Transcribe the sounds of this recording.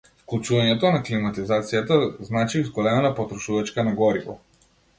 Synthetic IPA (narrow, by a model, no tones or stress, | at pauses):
fklˠut͡ʃuvaɲɛt̪ɔnaklimat̪izat̪sijat̪aznat͡ʃiuzɡɔlɛmanapɔt̪ɾɔʃuvat͡ʃkanaɡɔɾivɔ̰